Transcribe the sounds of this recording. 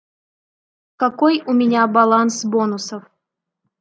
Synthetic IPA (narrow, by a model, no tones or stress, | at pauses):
kakojumʲɪnʲabalˠansbonusəf